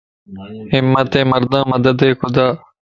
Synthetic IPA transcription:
hɪmːɐt̪ẽːmɐɾd̪ãːmɐd̪ɐd̪eːkʊd̪aː

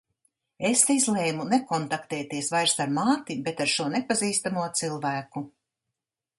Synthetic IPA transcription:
esizlɛjmunekɔnt̪akt̪ɛːt̪iɛsvajɾsaɾmaːt̪ibet̪aɾʃuɔnepaziːst̪amuɔt̪silˠvæːku

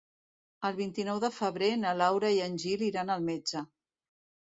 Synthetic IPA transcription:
əlˠβint̪inɔwðəfəβɾenəlawɾəiənʲʒiliɾanəlˠmed͡ʒə

